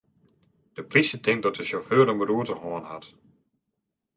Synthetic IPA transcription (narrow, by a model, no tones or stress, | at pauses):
d̥əprisətʰɪŋ̚dɔtdəʃoføəɾəmbəruətəhoənha̰t